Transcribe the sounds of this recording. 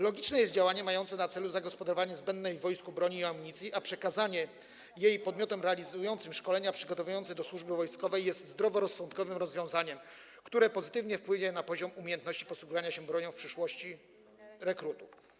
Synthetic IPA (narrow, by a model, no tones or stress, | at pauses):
lɔɡʲit͡ʂnɛjɛst̪̚d͡ʑawaɲɛmajɔnt̪sɛnat̪sɛluzaɡɔspɔd̪aɾɔvaɲɛzbɛnd̪nːɛjvːɔjskubɾɔɲiːamuɲit̪sʲiʔapʂɛkazaɲɛ | jejpɔd̪mʲjɔt̪ɛmɾɛalʲizujɔnt̪sɘmʂkɔlɛɲapʂɘɡɔt̪ɔvujɔnt̪sɛd̪ɔswuʐbɘvɔjskɔvɛjːɛst̪zd̪ɾɔvɔɾɔsːɔnt̪kɔvɘmɾɔzvʲjɔ̃w̃zaɲɛm | kt̪uɾɛpɔzɘt̪ɘvɲɛfpwɘɲɛnapɔʑɔmumʲejɛnt̪nɔɕt͡ɕi̥pɔswuɡuvaɲaɕɛbɾɔɲɔw̃fpʂɘʂwɔɕt͡ɕi | ɾɛkɾut̪uf